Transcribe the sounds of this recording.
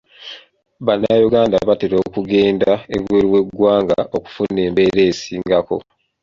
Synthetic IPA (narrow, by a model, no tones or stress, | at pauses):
βanːajuɡaːnda̰βateɾo̞ːkuɡe̞ːndaeβweɾiwe̞ɡːwaːŋɡa̰ʔo̞ku̥funːe̞ːmbe̞ɾe̞ːsiːŋɡako̞̰